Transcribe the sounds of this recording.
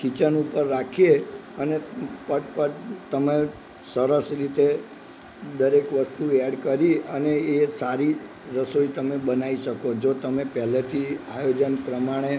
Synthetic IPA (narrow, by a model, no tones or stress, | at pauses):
kit͡ʃənupəɾːakʰieənepəʈpəʈt̪əme | səɾəsɾit̪e | d̪əɾekʋəst̪uaɽkəɾiəneesaɾi | ɾəsoit̪əmebənaiʃəkod͡ʒot̪əmepɛɦlet̪ʰiajod͡ʒənpɾəmaɽ̃e